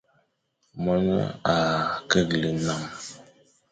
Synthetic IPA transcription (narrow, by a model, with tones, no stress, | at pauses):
mɔ˦nə̰˦a˨kə˦˨klə˨na˨m